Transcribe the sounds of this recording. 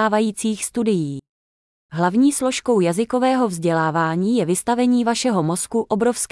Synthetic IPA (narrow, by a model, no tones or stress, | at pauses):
aːvajiːt͡siːxst̪udɪjiː | ɦlavɲiːslo̞ʃkowjazɪko̞vɛːɦo̞vzɟɛlaːvaːɲiːjɛvɪst̪avɛɲiːvaʃɛɦo̞mo̞skuʔobɾo̞fsk